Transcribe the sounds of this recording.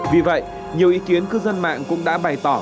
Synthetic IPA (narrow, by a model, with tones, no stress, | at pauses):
vi˨˩və̰˧˨j | ɲi˨˩əwʔi˨˦ki˨˦ənkɨ˧zə˧nma̰ː˧˨ŋkʊ̰˧˥ŋ͡mɗa̰ː˧˥ɓa˨˩jt̪ɔ˧˩